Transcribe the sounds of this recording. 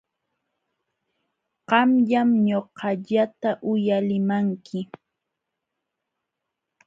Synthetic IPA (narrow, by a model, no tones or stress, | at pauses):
ɢɑmʎamɲoqɑʎat̪aʔʊjalɪmaŋkʰɪ